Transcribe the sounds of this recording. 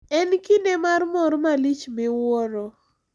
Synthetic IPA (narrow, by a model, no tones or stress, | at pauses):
ɛnkinɛmarmɔɾmalit͡ʃmɪwɔɾɔ